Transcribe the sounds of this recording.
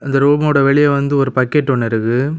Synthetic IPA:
ɪnd̪ɐɾuːmɐɽɐʋɛɭɪjɐʋɐnd̪ɯɔɾɯpɐkːeʈːɔɳːɛɾɯɣɯ

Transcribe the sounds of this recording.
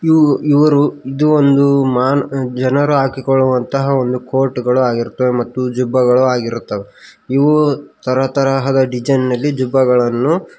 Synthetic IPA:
iiʋɐɾuid̪uond̪umaːnd͡ʒɐnɐɾuaːkikɔɭːuʋɐnt̪ɐɦɐo̞nd̪uko̞ːɾʈuɡɐɭuaːɡiɾut̪ːɐʋemɐt̪ːud͡ʒubːɐɡɐɭuaːɡiɾut̪ːɐʋe | iʋut̪ɐɾɐt̪ɐɾaːɦɐd̪ɐɖid͡ʒɐnnɐlːid͡ʒubːɐɡɐɭɐnːu

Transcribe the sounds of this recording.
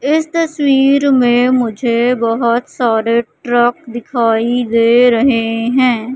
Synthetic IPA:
ɪst̪ɐswiːɾmẽmʊd͡ʒʱebɐɦʊt̪saːɾeʈɾək̚d̪ɪkʰaːid̪eːɾɐɦeɦɛ̃ː

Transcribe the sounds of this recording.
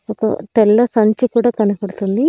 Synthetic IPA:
ɔkɐ̰t̪ɛlːɐsɐɲt͡ʃukuːɽaːkɐnupɐɽut̪und̪i

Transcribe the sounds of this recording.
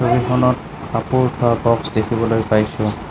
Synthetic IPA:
soɹixɔnɔt̚ | papuɹtʰɔabɔksdekʰibɔlojpajsʊ̃

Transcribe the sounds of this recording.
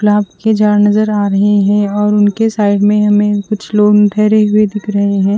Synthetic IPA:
klaːbked͡ʒaːɽnɐzəɾaːɾɐɦeɦɛ̃ɔːɾʊnkesaːɪɖmẽɦɐmẽkʊt͡ʃʰloːnʈʰɛɦɾeɦʊed̪ɪkʰɾɐɦeɦɛ̃ː

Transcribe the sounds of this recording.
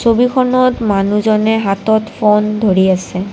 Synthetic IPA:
sobikʰɔnɔtmanuzɔnɛɦatɔtpʰondʱoɹiasɛ

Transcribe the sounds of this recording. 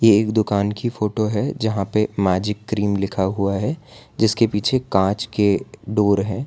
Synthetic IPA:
jeːkd̪ʊkaːnkifoːʈoɦɛd͡ʒɐɦãpemɛːd͡ʒɪkːɾiːmlɪkʰaɦuaɦɛd͡ʒɪskepiːt͡ʃʰekãːt͡ʃkeɖoːɾɦɛ̃ː

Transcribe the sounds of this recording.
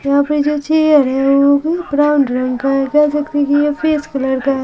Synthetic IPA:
jɐɦãːpɾid͡ʒoːt͡ʃejəɾɦɛʋobipɾaːʊɳɖɾɐ̃ŋɡkaekasɐkt̪ikijepʰeːskɐlɐɽka

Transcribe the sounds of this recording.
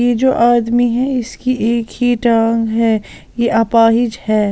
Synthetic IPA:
jed͡ʒo̰ːʔaːd̪miɦɛɪskieːkhiʈãːŋɡɦɛ | jeʔɐpaːɦɪd͡ʒhɛː

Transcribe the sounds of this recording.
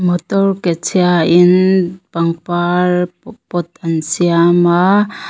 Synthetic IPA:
mɔtɔɾket͡ʃʰijainpaŋpaɾpɔt̪ansijama

